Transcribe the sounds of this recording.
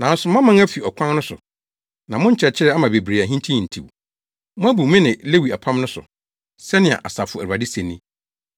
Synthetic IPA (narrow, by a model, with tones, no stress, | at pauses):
nã˨n̩˦sʊ˨m˦ã˦mã˦ŋæ˦fi˨ɔ˨kʷʰã˦n˦nʊ̃˦sʊ̰˨ | nã˨mʊ̃˦ɲ̩˦t͡ɕʰɛ˨t͡ɕʰɪ˦ɾɛ˦a˦mã˨be˨bɾeː˨æ˨ɦĩ˦ntʰĩ˦˨n̩˨tʰḭ˨w | mʊ̃˦æ˦bu˨mɪ̃˦nɪ̃˨le˦wi˨a˨pʰã˦mnʊ̃˦sʊ̰˨ | sɛ˦nɪ̃˨a̰˨ʔa˨sa˨fʊ˨æ˨u˨a˨dɪ˦sẽ˨nːĩ˦